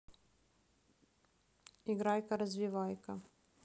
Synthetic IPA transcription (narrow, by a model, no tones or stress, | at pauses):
iɡɾajkɐɾɐzʲvʲiʋajkɐ